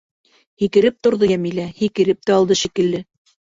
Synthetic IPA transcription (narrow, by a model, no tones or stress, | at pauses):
hikɘ̆ɾɘp̚t̪ŏɾðɤjæmilæhikɘ̆ɾɘp̚t̪æɑlˠd̪ɤʃikɘ̆lːɘ